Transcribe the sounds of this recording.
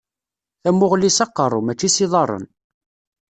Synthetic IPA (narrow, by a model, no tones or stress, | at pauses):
θæmːʊʁlisɑqːərˤːʊmæt͡ʃːisiðˤɑrˤːə̰n